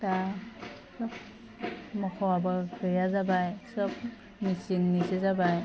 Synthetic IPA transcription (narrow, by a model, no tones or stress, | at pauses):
ta | sɯp̚ | mɔkʰɔabakʰɯjazabajsɯp̚ | misiŋnizezabaj